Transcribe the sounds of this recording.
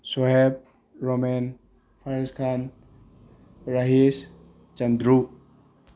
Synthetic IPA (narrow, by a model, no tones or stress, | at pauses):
sɔɦeb̚ | ɾomen | pʰaɾiskʰan | ɾaɦes | t͡ʃand̪ɾu